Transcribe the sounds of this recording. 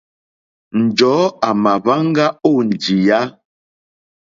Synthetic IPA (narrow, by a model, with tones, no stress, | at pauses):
n̩˨d͡ʒɔ˨˦a˨ma˨va˦ŋ˦ɡa˦o˦˨n˨d͡ʒi˨ja˦